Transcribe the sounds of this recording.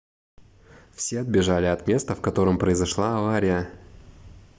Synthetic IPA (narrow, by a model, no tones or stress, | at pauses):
fsʲe̞ɐd̪̚bʲɪʐalʲɪɐt̪mʲe̞st̪əfkɐt̪o̞ɾɨmpɾəɪzɐʂlˠaɐvaɾʲɪjə